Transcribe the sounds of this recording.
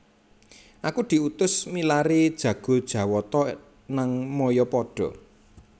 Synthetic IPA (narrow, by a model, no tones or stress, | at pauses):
ʔakud̪̥i̤ut̪ʊsmilaɾid̥ʒ̥ä̤ɡ̥o̤d̥ʒ̥ä̤wɔt̪ɔ | naŋmɔjɔpɔɖ̥ɔ̤